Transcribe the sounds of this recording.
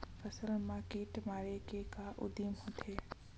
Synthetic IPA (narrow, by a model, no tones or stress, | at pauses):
fɐsəlmãːkiːʈmaːɾekekaʔʊ̰d̪iːmɦõt̪ʰeː